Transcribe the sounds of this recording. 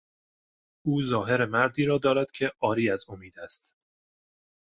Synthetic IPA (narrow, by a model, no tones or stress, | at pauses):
ʔuːzɒːɦe̞ɾemæɾd̪iːɾɒːd̪ɒːɾæd̪̥cʰe̞ʔɒːɾiːæzomiːd̪æst̪